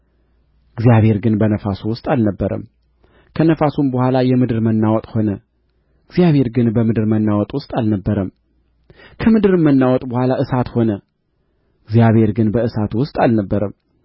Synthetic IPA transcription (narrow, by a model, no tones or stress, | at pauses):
ɪɡzjaβhe̞ɾɡɨnbənəfasuwʊst̪ʼalnəbːəɾə̰m | kʰənəfasumbəhʷalajɛmɨd̪ɨɾmənːawɔt̪ʼho̞nə | ɪɡzjaβhe̞ɾɡɨnbəmɨd̪ɨɾmənːawɔt̪ʼwʊst̪ʼalnəbːəɾəm | kʰəmɨd̪ɨɾɨmːənːawɔt̪ʼbəhʷalaʔɨsat̪ho̞nə | ɪɡzjaβhe̞ɾɡɨnbəɨsat̪wʊst̪ʼalnəbːəɾəm